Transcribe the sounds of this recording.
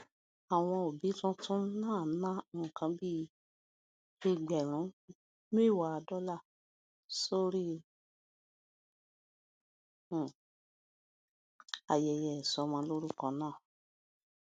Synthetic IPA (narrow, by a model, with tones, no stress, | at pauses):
a˨w̃ɔ̃˧o˨bi˨˦tũ˦tũ˦nãː˦˨nã˦˨kã˧bi˦ | e˧ɡ͡bɛ˨ɾ̃ũ˨˦ | me˦˨wa˨˦˧dɔ˦la˦˨ | so˦ɾi˦˨ | a˨jɛ˨jɛ˨sɔ˧mɔ̃˧lo˦ɾu˦kɔ̃˧nãː˦˨